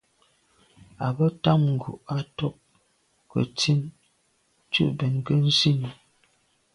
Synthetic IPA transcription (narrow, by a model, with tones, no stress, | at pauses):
a˨bə˦ta˦˨ŋŋ̩˨ɡṵ˨ʔa˦tɔ˦k̚ | kə̰˨ti˦n˦ | t͡ʃṵ˦ʔbɛ˨nkə˦n̩˦si˦ni˨